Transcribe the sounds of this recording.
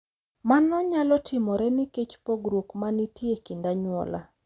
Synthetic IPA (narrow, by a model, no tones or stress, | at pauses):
manɔɲalɔtʰɪmɔɾɛniket͡ʃpoɡɾokmanitjekindaɲwɔ̰la̰